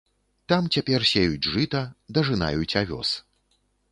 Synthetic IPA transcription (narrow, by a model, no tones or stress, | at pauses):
t̪amt͡sʲapʲɛrsʲejud͡zʲʐɨt̪ɐd̪ɐʐɨna̰jut͡sʲavʲɔ̰s